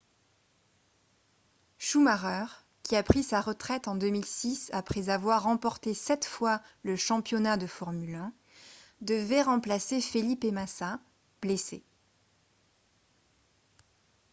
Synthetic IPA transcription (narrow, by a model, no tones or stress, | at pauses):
ʃumaʁœʁ | kʲiapχisaʁət̪χɛt̪ɑ̃d̪əmilsisapχɛzavwaʁːɑ̃pɔʁt̪esɛt̪fwaləʃɑ̃pjɔnad̪əfɔʁmylɛ̃ | d̪əvɛʁɑ̃plasefelipemasa | b̥lese